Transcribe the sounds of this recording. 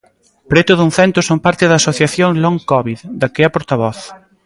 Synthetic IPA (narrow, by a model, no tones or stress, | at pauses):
pɾet̪ʊðuŋθɛnt̪ʊsompaɾt̪ɪðaːsoθjaθjoŋloŋkɔβiðd̪ɐkeɛɐpoɾt̪aβɔθ